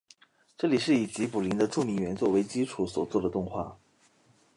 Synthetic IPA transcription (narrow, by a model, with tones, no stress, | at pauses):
ʈ͡ʂɤ˥˩li˨˩ʂɻ̩˥˩i˨˩t͡ɕi˧˥pu˨˩li˧˥ŋd̪ə˧ʈ͡ʂu˥˩mi˧˥nɥɛ˧˥nt͡swɔ˥˩we˧˥ɪt͡ɕi˥ʈ͡ʂʰu˨˧˥swɔ˨˩t͡swɔ˥˩d̪ə˩t̪ʊ˥˧ŋxwa̰˥˩